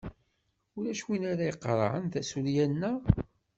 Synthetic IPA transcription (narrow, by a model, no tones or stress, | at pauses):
ʊɾæʃwinaɾaiqːɾ̰ˤʕə̰nθæsuljænːæ